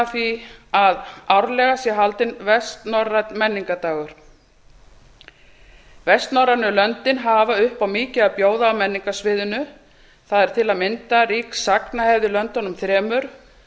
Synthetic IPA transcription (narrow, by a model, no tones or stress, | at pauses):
θviaðawɾlɛɣasjɛɦalt̪ɪnvɛst̪nɔrat̪mɛnːiŋkat̪aːɣʏɾ̥ | vɛst̪nɔɾanʏlœnt̪ɪnɦaːvaʏhpawmɪːcɪaðpjoːwðaːwmɛnːiŋkasvɪːðʏnʏ | θaðɛɾ̥t̪ʰɪlaðmɪnt̪ariːksaknahɛvðɪlœnt̪ɔnːʏmθɾɛːmʏɾ̥